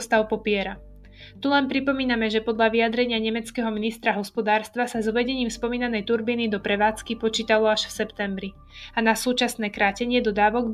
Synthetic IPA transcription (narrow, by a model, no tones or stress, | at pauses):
st̪aʊpɔpɪɛɾa | t̪ulɛnpɾipɔmiːnamɛʒɛpɔd̪ʎaʋiad̪ɾɛɲɪaɲɛmɛt͡skɛːɦɔminist̪ɾaɦɔspɔd̪aːɾst̪ʋasazɔʋɛɟɛɲiːmspɔmiːnanɛjt̪uɾbiːnid̪ɔpɾɛʋaːt͡skipɔt͡ʃiːt̪alɔaʃfsɛpt̪ɛmbɾi | anasuːt͡ʃasnɛːkɾaːcɛɲɪɛd̪ɔd̪aːʋɔɡ